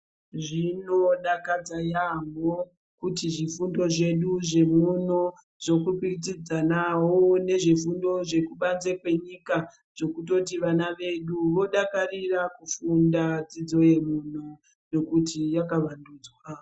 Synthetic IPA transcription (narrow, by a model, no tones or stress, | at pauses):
ʐinoɗakad͡zajamo | kutiʐifundo̞ʐe̞ɗuʐe̞muno | ʐo̞kupikit͡sid͡zanawone̞ʐifundo̞ʐe̞kuɓanzekwe̞ɲika | ʐo̞kuto̞tiʋanaʋe̞ɗuʋo̞ɗakarirakufundad͡zid͡zo̞je̞mun̤o | no̞kutijakaʋanduːd͡zwa